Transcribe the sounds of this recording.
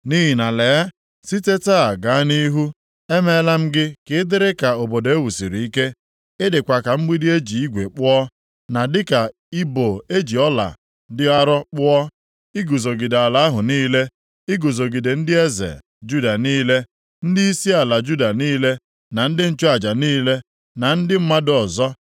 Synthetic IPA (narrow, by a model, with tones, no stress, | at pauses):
ni˦ɦi˨na˨le˨a˦ | si˦te˦ta˦a˨ɡa˨a˦ni˦ɦu˦ | e˦me˦la˦m̩˦ɡɪ˦kɪ˦dɪ˦ɾɪ˦ka˨o˨bo˨do˨e˦wu˨si˨ɾi˨i˦ke˦ | ɪ˦dɪ˨kʷa˨ka˨ŋ͡m̩˦ɡ͡bi˦di˦e˦d͡ʒi˨i˦ɡʷe˨k͡pʊ˦ɔ˦ | na˨dɪ˦ka˨ | i˦bo˨e˦d͡ʒi˨ɔ˦la̰˨ | dɪ˦a˦ɾɔ˦k͡pʊ˦ɔ˦ | i˦ɡu˨zo˨ɡi˨de˨a˨la˨a˦ɦʊ˨niː˦le˦ | ɪ˦ɡu˨zo˨ɡi˨de˨n̩˦dɪ˦e˦zḛ˨l | d͡ʒu˦da˨niː˦le˦ | n̩˦dɪ˦i˦si˦a˨la˨d͡ʒu˦da˨niː˦le˦ | na˨n̩˦dɪ˦n̩˦t͡ʃo˦a˨d͡ʒa˨niː˦le˦ | na˨n̩˦dɪ˦m̩˦ma˦dɔ˨zɔ˦